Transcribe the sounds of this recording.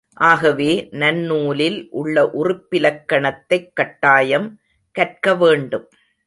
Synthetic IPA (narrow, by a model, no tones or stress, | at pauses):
ʔaːɣɐʋeːnɐnːuːlɪlʔʊɭːɐʔʊrɪpːɪlɐkːɐɳɐt̪ːɐɪkːɐʈːaːjɐm | kɐʈ̚kɐʋeːɳɖɯm